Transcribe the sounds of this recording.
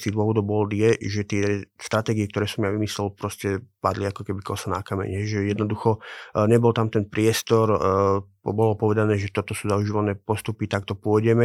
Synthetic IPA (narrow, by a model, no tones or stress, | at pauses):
t̪id̪ʊɔʋɔd̪ɔʊbɔld̪jɛʒɛt̪ɪɛst̪ɾat̪ɛːɡiɛk̚t̪ɔɾɛːsɔmjaʋimislɛlpɾɔscɛpad̪liakɔkɛbikɔsanakamɛ̰ɲɦɛʒɛjɛd̪nɔd̪uxɔɲɛbɔlt̪amt̪ɛnpɾɪɛst̪ɔɾ | bɔlɔpɔʋɛd̪anɛːʒɛt̪ɔt̪ɔsuːzauʒiːʋanɛːpɔst̪upit̪akt̪ɔpʊɔjɟɛmɛ